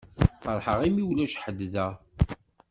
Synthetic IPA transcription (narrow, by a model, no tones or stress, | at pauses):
fəɾˤħəʁimiwlæʃħəd̪ːðæ